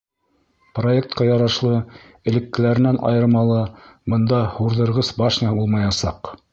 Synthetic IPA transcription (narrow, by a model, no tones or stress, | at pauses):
pro̞ek̚t̪̚qɑjɑɾɑʃlˠɤ | ɘ̆lɘ̆kːɘ̆læɾɘ̆nænʔɑ̰jɤ̆ɾmɑlˠɤbɤ̆nd̪ɑhuɾðɤ̆ɾʁɤsbɑʃnɑulˠmɑjɑsɑq